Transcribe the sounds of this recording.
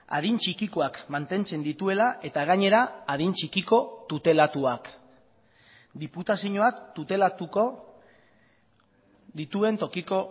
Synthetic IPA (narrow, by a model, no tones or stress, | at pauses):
a̰ð̞int͡ʃikiko̞akmant̪e̞nt͡se̞nd̪it̪ue̞laʔe̞t̪aɣaɲe̞ɾaað̞int͡ʃikiko̞t̪ut̪e̞lat̪uak | d̪iput̪asiɲo̞akt̪ut̪e̞lat̪uko | d̪it̪ue̞nt̪o̞kiko̞